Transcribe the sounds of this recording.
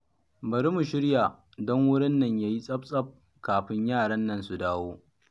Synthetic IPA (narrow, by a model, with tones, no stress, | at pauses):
bɐ˨ɽi˦mu˨ʃɪ˦ɽja˨ | dɔ˦ŋwʊ˦ɽɪ˦nːɐ˨ɲjaː˦ji˦sʼɐ˦b̚sʼɐ˦p̚ | kaː˨ɸɪ˦ɲjaː˦˨ɽɐ˦nːɐ˦˨nsu˨daː˦woː˦